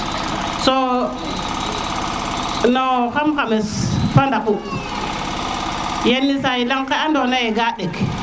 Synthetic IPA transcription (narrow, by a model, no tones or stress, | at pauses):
so | nokamkamesfandaku | jenːisajilaŋkaandonajeɡaɗek